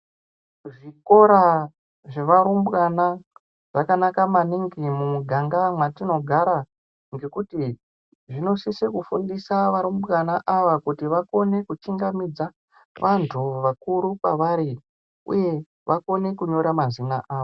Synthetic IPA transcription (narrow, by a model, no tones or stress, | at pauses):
ʐiko̞ɾa | ʐe̞ʋaɾumbɣana | ʐ̥akanakamaniŋɡimumuɡʱaŋɡamwatino̞ɡʱaɾa | ŋɡe̞kuti | ʐino̞sisekufundisaʋaɾumbɣanaʔaʋakutiʋako̞ne̞kut͡ʃiŋɡamid͡za | ʋantʰuʋakuɾukwa̰ʋaɾi | ṵje̞ | ʋako̞ne̞kuɲo̞ɾamazinaʔaːʋo